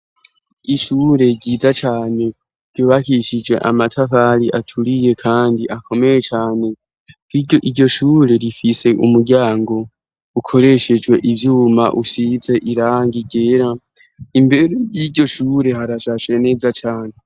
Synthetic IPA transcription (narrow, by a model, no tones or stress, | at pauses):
iʃuːɾe̞ɟiːzat͡ʃaːne̞ | ɾɟoːβakiʃid͡ʒwe̞ʔa̰matʰaɸaɾiʔatʰuɾije̞kʰaːndiʔakʰo̞me̞je̞t͡ʃaːne̞ | iɟo̞ʃuɾe̞ɾifise̞ʔumuɾɟaːŋɡo̞ | ukʰo̞ɾe̞ʃed͡ʒɡwe̞ʔivjuːma̰ʔuʃize̞ʔiɾaːŋɡiɡe̞ɾa | imbe̞ɾejiɟo̞ʃuːɾe̞haɾaʃaʃe̞ne̞ːzat͡ʃaːne̞